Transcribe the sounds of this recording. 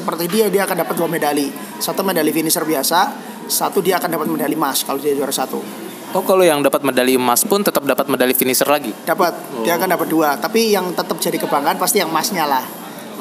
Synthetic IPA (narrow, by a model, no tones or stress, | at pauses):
səpərt̪idiadiaːkandapat̪̚duamedali | sat̪umedalifinisərbiasa | sat̪udiaːkandapat̪̚medalimaskalodiad͡ʒuaɾasat̪ṵ | okalojaŋdapat̪̚medalimaspʊnt̪ət̪əp̚dapat̪̚medalifinisərlaɡid̥apat̪̚diaːkandapat̪̚duat̪apijaŋt̪ət̪əp̚d͡ʒadikəbaŋanpast̪ijaŋmasɲalah